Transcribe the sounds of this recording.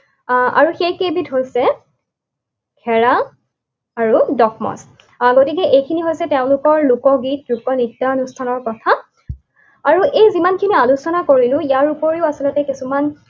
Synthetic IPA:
a̰ɹuxejkebitɦojsɛ | kʰɛɹa | aɹudɔkʰmɔ̰s | ɡotik̬ɛʔejkʰiniɦojsɛteʊ̃lʊkɔɹlʊkɔɡit̚lukɔnitːaɔnustʰanɔɹkɔtʰa | aɹuʔejzimankʰinialusɔnakoɹilʊ̃ijaɹupɔɹiʊasɔlɔtɛkisuman

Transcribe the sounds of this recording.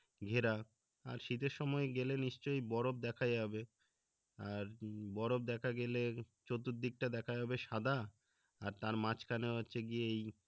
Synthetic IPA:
ɡʱeɾa | a̰ɾʃit̪eɾʃɔmɔeɡeleniʃt͡ɕojbɔɾob̚d̪ɛkʰajabe | aɾbɔɾob̚d̪ɛkʰaɡele | t͡ɕot̪ːut̪̚d̪ik̚ʈad̪ɛkʰajɦɔbeʃad̪ʱa | aɾt̪aɾmãt͡ɕkaneotːɕʰeɡieej

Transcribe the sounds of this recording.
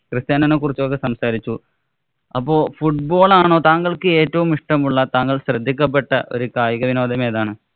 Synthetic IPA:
krɨst̪jaːnɐnːekurit͡ɕːok̬ːe̞sɐmsaːɾit͡ɕːu | ɐpːo̞ːfuʈ̚bo̞ːɭaːɳo̞ːt̪aːŋɡɐɭkɨe̞ːtːɐʋumiʂʈɐmuɭːɐt̪aːŋkɐɭɕrɐd̪ʱːik̬ʲːɐp̬ːeʈːɐʔo̞̰ɾukaːjɐɣɐʋino̞ːd̪ɐme̞ːðaːɳɨ

